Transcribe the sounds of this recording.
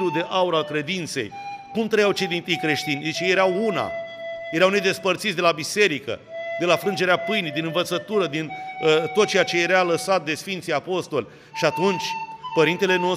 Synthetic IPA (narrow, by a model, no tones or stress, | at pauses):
lud̪e̞ʔauɾalkɾe̞d̪int̪se̞̰jkumt̪ɾəjawt͡ʃed̪int̪ijkɾe̞ʃt̪inʲd̪it͡ʃejeɾawuna̰jeɾawne̞d̪e̞spərt̪sit̪sʲd̪e̞labise̞ɾikə̰d̪e̞lafɾɨnd͡ʒe̞ɾeapɨjnijd̪inɨnvət̪sət̪uɾəd̪inət̪ot̪̚t͡ʃejat͡ʃe̞jeɾaləsat̪̚d̪e̞sfint̪sijapo̞st̪o̞lʲ | ʃiat̪unt͡ʃʲpəɾint̪e̞le̞no